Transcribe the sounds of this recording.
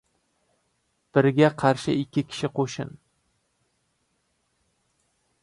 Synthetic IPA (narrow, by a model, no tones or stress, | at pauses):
b̥ɪɾɡʲaqʰɑɾʃɪ̰ɪkʲʰːɪkʲʰɪ̥ʃɪqʰoʃɪn